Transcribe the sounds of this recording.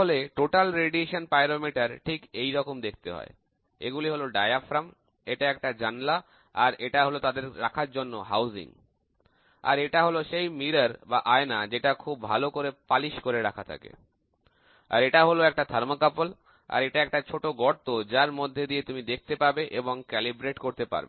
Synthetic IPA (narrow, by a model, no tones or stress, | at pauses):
oleʈoʈalɾeɖieʃonpajɾomiʈaɾʈʰikejɾɔkomd̪ekʰt̪ḛɦɔ̰e | ḛɡuliɦoloɖajafɾam | eʈaɛk̚ʈad͡ʑanla | aɾeʈaɦolot̪ad̪eɾɾakʰaɾd͡ʑonːo̰ɦawzḭŋ | a̰ɾeʈaɦoloʃejmiɾaɾbaʔaenad͡ʑeʈakʰubːʱalokoɾepaliʃkoɾeɾakʰat̪ʰa̰kḛ | a̰ɾeʈaɦoloɛk̚ʈad̪ʱaɾmokapol | a̰ɾeʈaɛk̚ʈat͡ɕʰoʈoɡɔɾt̪od͡ʑaɾmod̪ʱːed̪iet̪umid̪ek̚ʰt̪epaɾbeʔeboŋkɛlibɾeʈkoɾt̪epa̰ɾbḛ